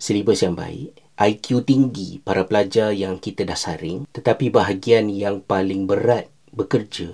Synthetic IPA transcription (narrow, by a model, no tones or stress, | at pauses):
səlibasjaŋba̰ɪ̰ʔ̚ | ʔajkjut̪iŋɡipaɾapəlad͡ʒarjaŋkit̪adahsaɾɪŋt̪ət̪apibaɦaɡianjaŋpalɪŋbəɾat̪̚ | bəkərd͡ʒa